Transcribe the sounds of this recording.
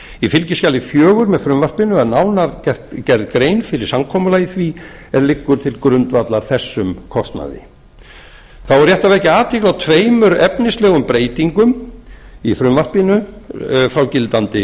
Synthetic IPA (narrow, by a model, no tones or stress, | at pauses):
ifɪlcɪscaːlɪfjœːɣʏɾmɛðfɾʏmvar̥pɪnʏaðnawnaɾcɛr̥t̪cɛɾðkɾeːjnfɪɾɪɾ̥samkʰɔːmʏlajiθviɛɾlɪkːʏɾ̥t̪ʰɪlkɾʏnt̪vat̪laɾ̥θɛsːʏmkʰɔst̪na̰ðɪ̰ | θawɛɾ̥jɛht̪avɛhcɪaːt̪ʰiklawt̪ʰveːjmʏɾɛpnɪslɛːɣʏmpɾeːjt̪iŋkʏm | ifɾʏmvar̥pɪnʏ | fɾawcɪlt̪ant̪ɪ